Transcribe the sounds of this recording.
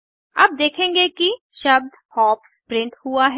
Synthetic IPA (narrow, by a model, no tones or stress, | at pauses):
ɐ̰b̚d̪eːkʰẽːŋɡeki | ʃɐb̚d̪ | hɔːpspɾɪ̃ɳʈhuaɦ